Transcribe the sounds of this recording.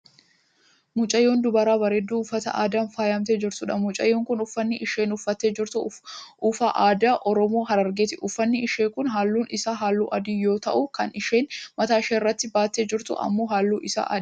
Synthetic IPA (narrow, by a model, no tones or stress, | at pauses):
mʊt͡ʃʼɐjːoːnd̪ʊbɐɾaːbɐɾɛd̪ːuːʊfɐt̪ɐ̰ʔa̰ːd̪aːnfaːjamt̪eːd͡ʒɪɾt̪ʊᶑɐmʊt͡ʃʼɐ̰jːoːŋkʊnʊfːɐnːɪʔɪʃeːnʊfːɐt̪ːeːd͡ʒɪɾt̪ʊʔʊfaʔaːd̪aːʔɔɾɔmo̞ːɦɐɾɐɾɡeːt̪ɪʔʊfːɐnːɪɪʃeːkʊnɦaːlːuːnʔɪsaɦaːlːuːʔɐd̪iːjo̞ːt̪ɐ̰ʔʊkɐnɪʃeːnmɐt̪aːɪʃeːɪrːɐt̪ːɪbaːt̪ːeːd͡ʒɪɾt̪ʊ̰ʔɐ̰mːo̞ːɦaːlːuːʔɪsa̰ʔɐ̰